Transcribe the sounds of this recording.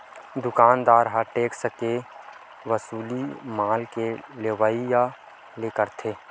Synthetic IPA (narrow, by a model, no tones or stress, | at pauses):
d̪ʊkaːnd̪aːɾɦaʈeːksəke | ʋəsuːlimaːlkeleʋaːija | lekəɾt̪ʰeː